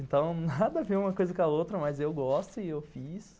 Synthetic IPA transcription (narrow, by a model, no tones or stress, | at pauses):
ẽnt̪ɐ̃w̃nad̪ɐveũmɐkojzɐkɐot̪ɾɐmɐzewɡɔst̪ʊɪewfis